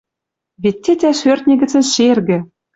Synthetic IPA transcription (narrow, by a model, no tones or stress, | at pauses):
βʲet̪ʲːet̪ʲæʃørt̪̚ʲnʲĕɡʲɘ̆t͡sɘ̆nʃerɡʲɘ̆